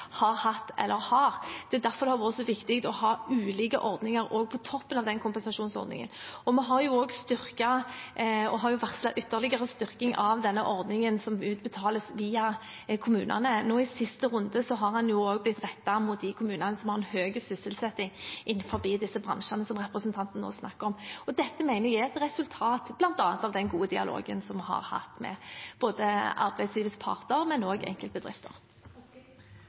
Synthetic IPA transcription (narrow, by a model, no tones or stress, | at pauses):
hɑʁhɑt̪ːɛ̰lːʔəɾhɑːʁd̪̥ɛːd̪æɾfɔɾd̪hɑɾʋuːəsɔʋɪkt̪ɪkt̪ɔhɑːʉːliːɡə̰ʔɔɾd̪nɪŋəɾoːɡ̚pʰɔt̪ʰɔpːənɑʋd̪ɛnkʰʊmpɛnsɑʂuːnsɔ̰ɾd̪nɪ̰ŋə̰nɔmɛɦɑɾjʊoːɡst̪ʏʁkɑ | ɔɦɑʁjʊʋæʁt̪slɛt̪ʔʏt̪ːəʁlɪɡəʁəst̪ʏʁkɪŋʔɑʋd̪ɛnːəʔɔʁd̪nɪŋənsɔmʉːt̪̚bət̪ʰɑːləsʋiːɑ | kʰʊmʉːnʔɑ̰nənoːɪsɪst̪əʁʊnd̪əsɔɦɑʁhɑnjʊoːɡblɪt̪ːʁɛt̪ːɑmʊt̪̚d̪ɪkʰʊmʉːnɑnəsɔmhɑʁɛnhøːɡəsʏsəlsɛt̪ːɪŋʔɪnːfɔbiːd̪ɪsːəbʁɑ̰nʂənəsɔmʁɛpʁəsənt̪ʰɑnt̪n̩ːo̰ːsnɑkːəɾɔmɔd̪ɛt̪ːəmæɪnəʁjææt̪ɾɛsʉlt̪ʰɑːt̪b̥lɑnt̪ɑːɑnt̪ɑʋd̪ɛnɡuːəd̪ɪɑ̰lo̰ːɡə̰nsɔmhɑ̰ʁhɑ̰t̪mɛ̰b̥oːd̪əɑ̰ʁbæɪd̪sliːʋəspʰɑ̰ʁt̪əɾmɛnoːɡɛ̰ŋkəlt̪̚bəd̪ɾʁɪ̰ft̪ə̰ʁ